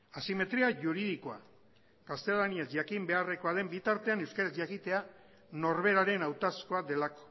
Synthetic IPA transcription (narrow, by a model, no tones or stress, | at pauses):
asime̞t̪ɾiaʝuɾið̞iko̞a̰ | kast̪e̞laniasʝakimbe̞are̞ko̞aðe̞mbit̪aɾt̪e̞anewskaɾazʝakit̪e̞a | no̞ɾβe̞ɾaɾe̞nawt̪asko̞aðe̞lako̥